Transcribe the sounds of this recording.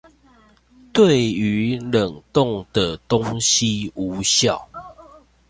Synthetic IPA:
t̪we˥˨ɪy˨˦lə˨˩ŋt̪o˥˨ŋd̪ə˨t̪o˦ŋɕi˦u˨˦ɕja˥˨ʊ

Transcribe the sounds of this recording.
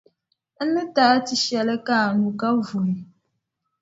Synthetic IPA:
n̩˦nɨ˦ta˦ti˨ʃɛ˨lɛ˦ka˦˨nu˨ka˦vu˨ni˨

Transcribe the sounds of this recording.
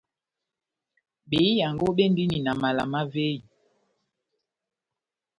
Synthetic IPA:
ɓe˨˦i˦ja˨ŋ˨ɡo˦ɓe˦n˦di˦ni˨na˨ma˨la̰˨ma˦ve˦i˨

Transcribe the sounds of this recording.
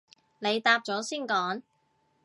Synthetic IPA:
ne˨˧jt̪aː˧p̚t͡ʃɔː˨˥siː˥˩nkɔː˨˥ŋ

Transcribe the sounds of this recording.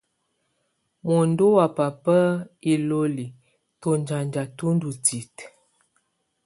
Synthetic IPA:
mo˨ndo˦wa˨pa˨pə˦i˨lo˦li˨ | to˨nd͡ʒa˨nd͡ʒa˨tu˦n˦du˨ti˨t

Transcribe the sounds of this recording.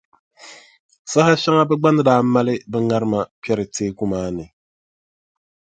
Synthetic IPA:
sa˦ha˦ʃa˦ŋa˦bɛ˦ɡ͡ba˦nɨ˦daː˦ma˦lɨ˦bɛ˦ŋa˦ɾɨ˦ma˨pɛ˦ɾɨ˨teː˦ku˦maː˦nɨ˨

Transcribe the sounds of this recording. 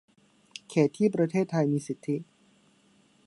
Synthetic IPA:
kʰeː˩˦t̪ʰːiː˥˩pɾa˧t̪ʰeː˥˩t̪ʰːa˧jmiː˧si˨˩t̪ʰːi˦˥

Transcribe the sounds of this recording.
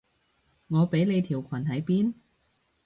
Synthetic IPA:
ŋɔː˨˧pe˨˥jne˨˧jt̪ʰiː˨˩wkʷʰɐ˨˩nhɐ˨˥jpiː˥n

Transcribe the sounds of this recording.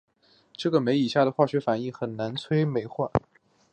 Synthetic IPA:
ʈ͡ʂɤ˥˩ɡə˩me˧˥ɪi˨˩ɕja˥˩d̪ə˩xwa˥˩ɕɥɛ˧˥fa˨˩ni˥˩xə˨˩nna˧˥nt͡sʰwe˥ɪme˧˥ɪxwa˥˩n

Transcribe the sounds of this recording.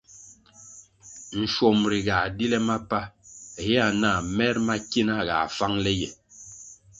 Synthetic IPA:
n̩˨ʃwo˨mɾi˨ɡa˨di˦lɛ˦ma˦pa˦˨jɛ˦a˨na˦˨mɛ˦ɾma˦ki˦na˦˨ɣa̰˨fa˦ŋlɛ˦jɛ˨

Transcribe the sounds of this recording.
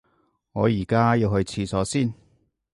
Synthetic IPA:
ŋɔː˨˧jiː˨˩kaː˥jiː˧whɵ˧ɥt͡sʰiː˧sɔː˨˥siː˥˩n

